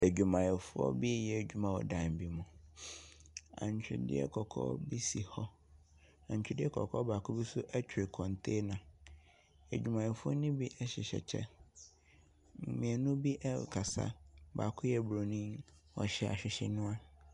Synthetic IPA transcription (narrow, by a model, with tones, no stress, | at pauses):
æ˨d͡ʑᶣu˨mã˨jɛ˨fʊ˦ɔ̰˦bi˦jɛ˨d͡ʑᶣu˦mã˨wɔ̰˨dã˨m˨bi˦mũ˨ | ã̰˨ɲ˨t͡ɕʰᶣɪ̰˨dɪ̰˦ɛ̰˦kʰɔ˨kʰɔ̰ː˦bi˦si˨hɔ˦ | ã˨ɲ˨t͡ɕᶣɪ˦dɪ˦ɛ˦kʰɔ̰˨kʰɔ˦baː˨kʰʊ˦bi˦sʊ˦ʔɛ˦t͡ɕʰᶣɪ˨kʰɔ̃˨ntʰe˦nã˨ | æ˨d͡ʑᶣu˨mã˨jɛ˨fʊ˦ɔ˦nĩ˦bi˦ʔɛ˦ɕɪ˨ɕɛ̰˨t͡ɕʰɛ̰˦˨ | mĩ˨ɛ˨nũ˦bi˦ʔɛ˦˨kʰa˨sa̰˦ba̰ː˨kʰʊ˦jɛ˨bɾo˨nĩ˦n | ɔ̰˨ɕɛ˨a̰˨ɕᶣɪ˨ɕɛ˦nũ˦a˦